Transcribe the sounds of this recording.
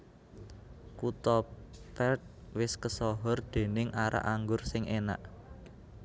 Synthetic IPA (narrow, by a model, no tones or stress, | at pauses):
kut̪ɔpɛrt̪̚wɪskəsɔɦɔrd̪̥e̤nɪŋʔaɾʔa̰ʔaŋɡʊrsɪŋʔena̰ʔ